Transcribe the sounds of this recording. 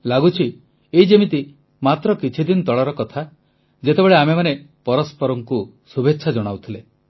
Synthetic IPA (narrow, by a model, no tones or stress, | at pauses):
laɡut͡ʃʰi | eid͡ʒemit̪i | mat̪ɾɔkit͡ʃʰid̪inɔt̪ɔɭaɾɔkɔt̪ʰa | d͡ʒet̪ebeɭeamemanepɔɾɔspɔɾɔŋku | subʱetːʃʰad͡ʒɔɽ̃awt̪ʰile